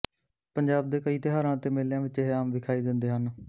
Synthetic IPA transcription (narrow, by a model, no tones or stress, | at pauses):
pəɲd͡ʒaːb̚d̪eːkəiːt̪ɪɦaːɾãːt̪eːmeːljãːʋɪt͡ʃɪɦaːmʋɪkʰaːiːd̪ɪnd̪eːɦən